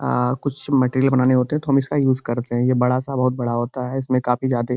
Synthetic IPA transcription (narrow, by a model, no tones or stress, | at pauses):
kʊt͡ʃʰmɛʈeːɾijəlbɐnaːneɦoːt̪eɦɛ̃t̪oɦɐmɪskajuːzkɐɾt̪eɦɛ̃jebɐɽasabɐɦʊt̪̚bɐɽaɦoːt̪aɦɛɪsmẽkaːfizjaːd̪e